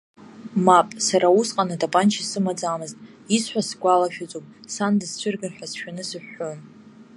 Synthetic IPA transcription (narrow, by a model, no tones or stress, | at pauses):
mapʼsaɾausqʼanɨdabʼant͡ʃʰisɨmad͡zʼamɨztʼ | isħʷᶣasɡʷalaʃᶣat͡sʼopʼsandɨst͡ɕʷʰʏrɡarħʷᶣasʃᶣanɨsɨħːon